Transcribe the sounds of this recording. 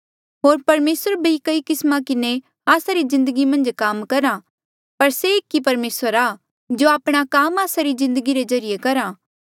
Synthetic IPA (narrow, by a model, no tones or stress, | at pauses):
ɦoːɾpɐɾmeːsəɾbʱikɐikɪsmãkɪne | aːsaɾizɪ̃nd̪əɡimɐ̃nd͡ʒkaːmkɐɾa | pɐɾseɪkːipɐɾmeːsəɾaː | d͡ʒoaːpɽ̃akaːmaːsaɾizɪ̃nd̪əɡiɾezɐɾɪjekɐɾa